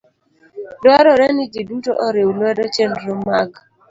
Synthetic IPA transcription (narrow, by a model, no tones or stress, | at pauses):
dwaɾɔɾɛnid͡ʒidutoʔɔɾewlwɛdɔt͡ʃɛndɾomaɡ